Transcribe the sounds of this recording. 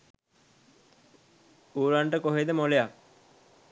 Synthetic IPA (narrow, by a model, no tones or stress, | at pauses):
uːɾaɳʈəkoɦed̪əmoleja